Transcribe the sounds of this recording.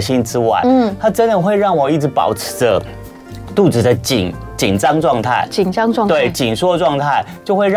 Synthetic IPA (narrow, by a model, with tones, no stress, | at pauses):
ɕi˥nʈ͡ʂɻ̩˥wa̰˥˩ɪ˥t̪ʰa˥ʈ͡ʂə˥nd̪ə˨xwe˥˧ɪɻɑ˥˩ŋwɔ˨˩i˥˩ʈ͡ʂɻ̩˧˥pɑ̰˨˩ʊʈ͡ʂʰɻ̩̥˧˥də˧ | t̪u˥˩ʈ͡ʂɹ̩˨˩d̪ə˦t͡ɕḭ˨˩ŋ | t͡ɕi˨˩nʈ͡ʂɑ˥ŋʈ͡ʂwɑ˥˧ŋt̪ʰa̰˥˩ɪt͡ɕi˨˩ŋɑ˥ŋ˥˧t̪we˥˩ɪt͡ɕi˨˩nʂwɔ˥ʈ͡ʂwɑ˥˧ŋt̪ʰa˥˩ɪt͡ɕjo˥˧ʊxwe˥˧˥